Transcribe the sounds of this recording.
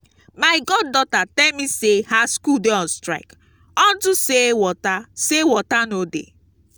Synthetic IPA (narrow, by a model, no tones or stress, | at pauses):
maɪɡɔd̚dɔtatɛlmisehaskudeɔstɾa̰ɪk | ɔdʊsewɔtasewɔtanodḛ